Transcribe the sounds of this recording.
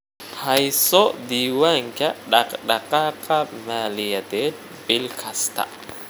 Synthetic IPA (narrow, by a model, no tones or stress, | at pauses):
hajsoʔd̪iwaŋkaɗakɗakakamaliad̪ed | bilkʰast̪a̰ʔ